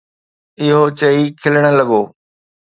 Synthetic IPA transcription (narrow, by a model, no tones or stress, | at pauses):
ɪɦot͡ɕɐikʰɪləɽ̃ə̆lɐɡoː